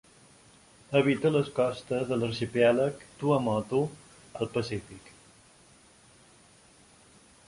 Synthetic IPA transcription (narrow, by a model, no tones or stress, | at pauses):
əβit̪ələskɔst̪əzðələɾʃipialəkt̪uəmɔt̪u | əlˠpəsifik